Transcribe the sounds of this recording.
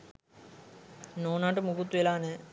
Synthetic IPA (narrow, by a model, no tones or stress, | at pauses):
noːnaːʈəmuɡut̪ːuʋelaːnə